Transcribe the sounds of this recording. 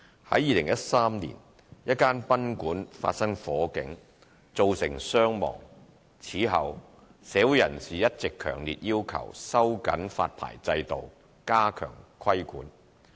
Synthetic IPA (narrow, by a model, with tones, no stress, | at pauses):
hɐ˨˥jiː˨˧lɪ˨˩ŋjɐ˥t̚saː˥mnḭː˨˩n | jɐ˥t̚kaː˥npɐ˥nkuː˨˥nfa̰ː˧t̚sɐ˥ŋfɔː˨˥kɪ˨˥ŋ | t͡so˨wsɪ̰˨˩ŋsœː˥ŋmɔ̰ː˨˩ŋ | t͡sʰiː˨˥ɦɐ˨w | sɛː˨˥wu˨˥jɐ˨˩nsiː˨jɐ˥t̚t͡sɪ˨kʰːœ̰ː˨˩ŋlḭː˨t̚jiː˥wkʰɐ̰˨˩wsɐ˥wkɐ̰˨˥nfa̰ː˧t̚pʰa̰ː˨˩jt͡sɐ˧jt̪o˨w | kaː˥kʰœ̰ː˨˩ŋkʰɐ˥jkṵː˨˥n